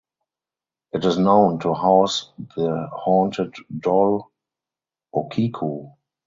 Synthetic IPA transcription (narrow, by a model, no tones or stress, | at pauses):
ʔɪtɪsnõʊ̃ntʰuhaʊsðəhɔ̃ntʰəddɔl | ʔɔkʰikʰo